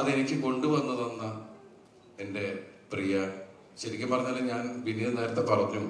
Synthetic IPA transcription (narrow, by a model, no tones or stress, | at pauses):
ɐðenikʲːɨko̞ɳɖɨʋɐnːɐðo̞nːɐ | e̞nde̞ | prijɐ | ɕɐɾikʲːɐmpɐrɐɲːɐːlːeɲaːnʋinːiðɐneːɾɐt̪ːepɐrɐkːɲːum